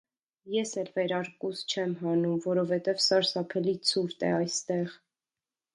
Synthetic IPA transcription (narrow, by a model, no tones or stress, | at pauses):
jɛsɛlvɛɾɑɾkust͡ʃʰɛmɦɑnumvɔɾɔvɛt̪ɛvsɑɾsɑpʰɛlit͡sʰuɾt̪ɛ̰ɑjst̪ɛʁ